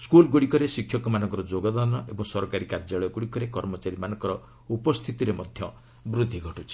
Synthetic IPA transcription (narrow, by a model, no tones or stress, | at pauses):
skulɡuɽikɔɾesikʰjɔkɔmanɔ̃ŋkɔɾɔd͡ʒoɡɔd̪ɔnɔʔebɔŋsɔɾɔkaɾikaɾd͡ʒaɭɔjɔɡuɽikɔɾekɔɾmɔt͡ʃaɾimanɔ̃ŋkɔɾɔ | upɔst̪ʰit̪iɾemɔd̪ʱjɔ | bɾud̪ʱːiɡʱɔʈut͡ʃʰi̥